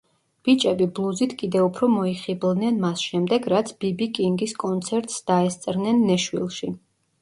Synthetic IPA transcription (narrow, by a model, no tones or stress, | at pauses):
b̥it͡ʃʼɛbiblˠuzit̪ʰkʼid̪ɛupʰɾɔmɔiχiblˠnɛnmasʃɛmd̪ɛɡɾat̪sʰb̥ibikʼiŋɡiskʼɔnt̪sʰɛɾt̪ʼsd̪̥aɛst̪sʼɾnɛnːɛʃwḭlˠʃi